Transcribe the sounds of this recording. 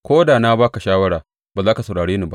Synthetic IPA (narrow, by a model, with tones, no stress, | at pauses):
kʷoː˦daː˨na˦baː˦ka˨ʃaː˦wɐ˦ɽaː˨ | ba˨zaː˦ka˨sɐ˨ɽaː˨ɽeː˦ni˦ba̰˦